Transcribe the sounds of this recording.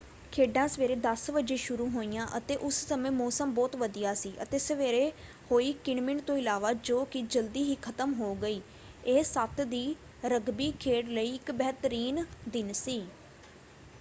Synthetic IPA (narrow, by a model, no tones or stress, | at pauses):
kʰeːɖãːsəʋeːɾeːd̪əsʋəd͡ʒeːʃʊɾũːɦoːijãːʔət̪eːʔʊssəmẽːmɔːsəmbɔːt̪ʋəd̪ijaːsiːʔə̰t̪eːsəʋeːɾeː | hoːiːkɪɳmɪɳt̪õːɪlaːʋaːd͡ʒoːkɪd͡ʒəld̪iːɦiːkʰət̪əmɦoːɡəiː | eːsət̪ʰd̪iː | ɾəɡbiːkʰeːʈləiːɪkbɛːt̪əɾiːnd̪ɪnsiː